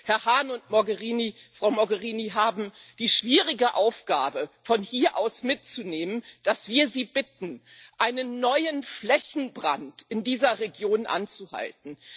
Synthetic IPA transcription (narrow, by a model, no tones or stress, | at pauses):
hɛɐhaːnʊntmɔɡəʁiːnifʁ̥aʊmɔɡəʁiːniɦaːbm̩d̥iːʃv̥iːʁɪɡəʔaʊfɡ̥a̰ːbəfɔnhiːɐʔaʊsmɪt̚t͡suneːmənd̥asv̥iːɐziːbɪtn̩ | ʔaɪnənːɔʏənflɛçn̩bʁa̰ntɪndiːzɐʁeɡjoːnʔa̰nt͡suha̰lt̚n̩